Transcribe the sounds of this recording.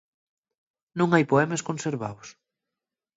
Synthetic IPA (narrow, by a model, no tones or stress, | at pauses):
nõŋajpoɛmeskõnseɾβa̰ws